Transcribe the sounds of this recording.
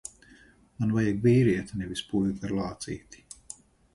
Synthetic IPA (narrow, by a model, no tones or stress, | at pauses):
manvajaɡviːɾiɛt̪nɛvʲispuːjʲukaɾlˠɑːt̪sḭːt̪i̥